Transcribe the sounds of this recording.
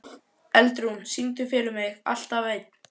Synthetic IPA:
ɛlt̪ɾunsint̪̬ʏfɪːlʏmɪɣa̰l̥t̪aveːjt̪̚

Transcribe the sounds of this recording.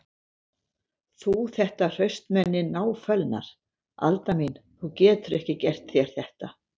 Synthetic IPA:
θuθɛht̪ar̥œɥst̪mɛnːɪnaːwfœlna̰ɾ̥ | a̰lt̪aminθucɛːt̪ʏɾɛhcɪcɛr̥t̪θjɛɾ̥θɛht̪a

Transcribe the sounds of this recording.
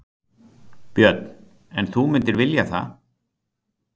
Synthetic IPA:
pjœt̪̚n̥ | ɛnθumɪnt̪ɪɾvɪljaθa̰

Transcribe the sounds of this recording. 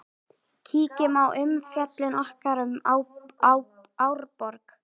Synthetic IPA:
cʰiːcɪmawʔʏmfjat̪lɪnɔhkaɾʏm | aw | awɾpɔɾk

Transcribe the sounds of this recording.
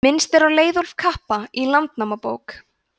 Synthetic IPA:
mɪnst̪ɛɾawleːjðɔlfkʰahpailant̪namapo̰ːwk

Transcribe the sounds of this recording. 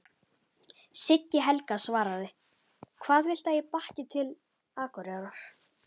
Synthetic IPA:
sɪcːɪɦɛlkasvaːɾaðɪ | kʰvaːðvɪl̥t̪ajɪpahcɪt̪ʰɪl | aːkɔɾaɾɔɾ̥

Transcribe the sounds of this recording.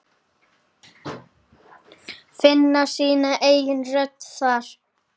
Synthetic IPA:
fɪnːasiːnaʔeːjjɪnrœt̪θaɾ̥

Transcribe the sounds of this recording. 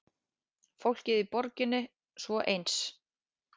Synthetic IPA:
fowl̥cɪðipɔɾcɪnːɪ | svɔʔejns

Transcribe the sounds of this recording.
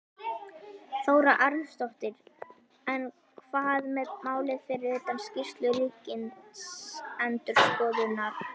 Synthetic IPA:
θoːwɾaʔaɾnst̪ɔht̪ɪɾ̥ | ɛn | kʰvaðmɛðmaːwlɪðfɪɾɪɾɪt̪anscɪst̪lʏɾiːcɪnsɛnt̪ʏɾ̥skɔːðʏnːaɾ̥

